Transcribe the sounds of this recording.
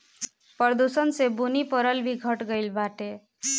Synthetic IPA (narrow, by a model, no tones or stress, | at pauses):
pʌɾd̪usənsebunipʌɾʌlbiɡʱʌʈɡʌjlbaʈe